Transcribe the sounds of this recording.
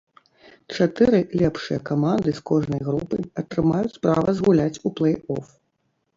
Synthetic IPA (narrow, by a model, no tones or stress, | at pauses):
t͡ʂat̪ɨɾɨlʲɛpʂɨjɐkamand̪ɨskɔʐnɐjɣɾupɨɐt̪ɾɨmajut͡sʲspɾa̰vɐzɣulʲat͡sʲuplˠɛjɔ̰f